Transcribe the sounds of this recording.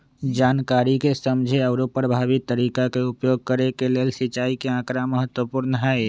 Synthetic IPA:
d͡ʒaːnkaːɾikesəmd͡ʒʱeəʊɾopəɾəbʱaːʋɪt̪ːəɾiːkakeʊpjoːɡ̚kəɾekeleːlsɪt͡ʃaːikeãːkɾaməɦət̪wəpʊɾnəɦɛe

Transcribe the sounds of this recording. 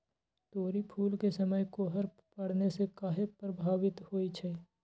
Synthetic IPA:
t̪oːɾipʰuːlkesəməjkoɦəɾ | pɐɽ̤nesekaːɦepɾəbʱaːwɪt̪hoːit͡ʃʰɛː

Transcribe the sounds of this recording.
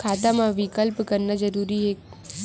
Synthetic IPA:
kʰaːt̪amãʋɪkəlpkəɾnad͡ʒəɾuːɾiɦe

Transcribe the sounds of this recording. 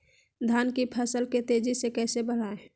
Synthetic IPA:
d̪ʱankipʰəsəlket̪ed͡ʒisekɛsebəɽ̤ae

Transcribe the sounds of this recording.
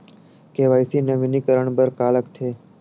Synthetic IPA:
keːʋaːisiːneʋɪniːkəɾəɳbəɾkaːləkt̪ʰeː

